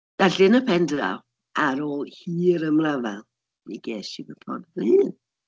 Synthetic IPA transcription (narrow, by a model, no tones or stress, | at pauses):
d̥aɬɪnəpʰɛndra̰w | aɾɔlhiːɾəmrava | niɡɛːʃibətʰɔ̰driːn